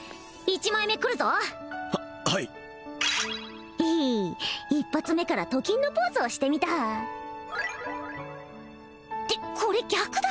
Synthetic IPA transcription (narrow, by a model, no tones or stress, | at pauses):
it͡ɕimaime̞kɯ̟ɾɯ̟zo̞ | hai | iː | ipːat͡sɨme̞kaɾat̪o̞kʲĩnːo̞po̞ːzɨːɕi̥t̪e̞mʲit̪a | d̪̥e̞kʰo̞ɾe̞ɡʲakɯ̟d̪